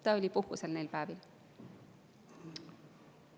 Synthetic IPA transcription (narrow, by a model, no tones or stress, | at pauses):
t̪ɑolʲipuhkuselnejlpæːvil